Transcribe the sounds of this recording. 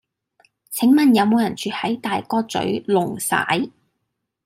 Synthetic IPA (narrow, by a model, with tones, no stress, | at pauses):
t͡sʰɪ˨˥ŋmɐ˨njɐ˨˧wmo˨˧wjɐ˨˩nt͡ʃyː˨hɐ˨˥jt̪aː˨jkɔː˧t͡sɵ̰˨˥ɥlʊ˨˩ŋsa̰ː˨˥j